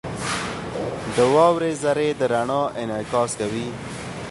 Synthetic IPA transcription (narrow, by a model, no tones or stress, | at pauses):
d̪əwɑwɾezaɾed̪əɾaɳɑʔɪnɪkɑskawi